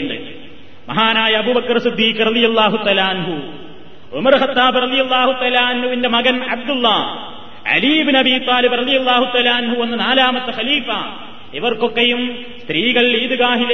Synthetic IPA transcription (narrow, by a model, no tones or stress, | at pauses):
ɳɖɨ̰ | mɐ̰ɦaːnaːjɐːbubɐkːrsid̪ːiːkɨrɐðijɐlːaːɦut̪ɐlaːɐnɦu | ʊ̰mɐɾxɐt̪ːaːbrɐðijɐlːaːɦut̪ːɐlaːɐnhuʋinde̞mɐɡɐnɐb̚d̪ulːaː | ʕɐ̰liibinɐbiːt̪aːlibrɐðijɐlːaːɦut̪ːɐlaːɐnɦuenːɐnaːlaːmɐt̪ːɐxɐliːfa | iʋɐrko̞kːejum | st̪ɾiːɣɐɭiːðuɣaːɦil